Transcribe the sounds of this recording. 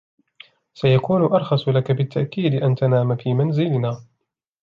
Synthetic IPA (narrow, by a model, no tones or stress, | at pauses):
sajakuːnʊʔɑɾˤxɑsˤlakabɪt̪ːaʔkiːd̪ɪʔant̪anaːmafiːmanzɪlɪnaː